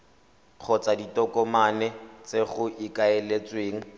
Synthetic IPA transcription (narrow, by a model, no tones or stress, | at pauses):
k͡xʰɔt͡saditɔkɔmanɛt͡seχʊʔikaelet͡sweːŋ̩